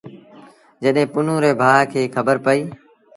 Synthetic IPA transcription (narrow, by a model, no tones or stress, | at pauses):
d͡ʒəɗɦɪ̃ːpʊnũːɾeːbʱaːkʰeːkʰəbəɾpəiː